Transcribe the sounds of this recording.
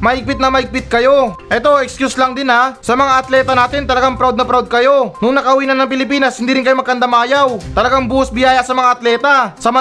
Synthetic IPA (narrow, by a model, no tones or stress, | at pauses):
mɐhɪɡ̚pɪt̪nɐmɐhɪɡ̚pɪt̪̚kɐjo̞ʔɛt̪o̞ɛkskjuslaŋd̪ɪnasɐmɐŋaʔɐt̪lɛːt̪ɐnaːt̪ɪnt̪ɐlɐɡaŋpɾawd̪̚nɐpɾawd̪̚kɐjo̞nʊŋnɐkɐʊwiːnɐnːɐŋpɪlɪpiːnɐshɪnd̪iːɾɪnkɐjomɐɡ̚kɐnd̪ɐmaːjawt̪ɐlɐɡaŋbuːɐsbɪjaːjɐsɐmɐŋaʔɐt̪lɛːt̪asɐmɐ